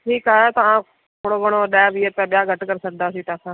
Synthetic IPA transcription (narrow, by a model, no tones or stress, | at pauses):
ʈʰiːkaːaːt̪ãː | t̪ʰoːɽoːbəɽ̃oːɗɛːbʱiːeːpɛ̃ːɓɪjaːɡəʈkəɾsək̚d̪aːsiːt̪aːkʰãː